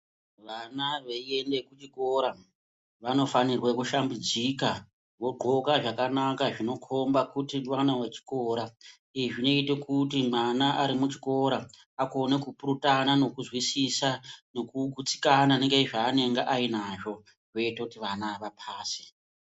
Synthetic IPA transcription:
ʋanaʋeie̞nde̞kut͡ʃiko̞ɾa | ʋano̞fanirwekuʃambud͡zika | ʋo̞ɡ͡ǃʱo̞kaʐakanakaʐino̞kʰo̞mbakutiwanawet͡ʃi̥ko̞ːɾa | iiʐino̞itekut̬imanaʔaɾimut͡ʃi̥ko̞ɾa | ako̞ne̞kupuɾutanano̞kuzwisisano̞kuɡʱut͡si̥kananeŋɡeiʐaːne̞ŋɡaʔainaʐo̞ | ʐo̞itakutiʋanaʋapʰaːsi̥

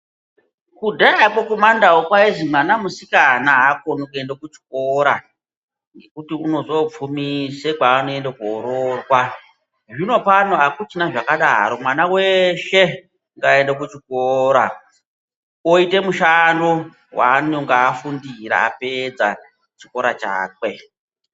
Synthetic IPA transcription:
kudʱaakokumandawokwaiʐimwanamusikanaɦakonukue̞ndakut͡ʃi̥k̚oɾa | ŋɡe̞kutiuno̞zop͡fumisekaːnoe̞ndakoɾorwa | ʐino̞panoakut͡ʃinaʐakaɗaɾo̞mwanaweʃe̞ | ŋɡaendakut͡ʃikoɾa | oite̞muʃando | wa̰noŋɡaːfundiɾa̰a̰ped͡za | t͡ʃi̥ko̞ɾat͡ʃa̰ːkwe̞

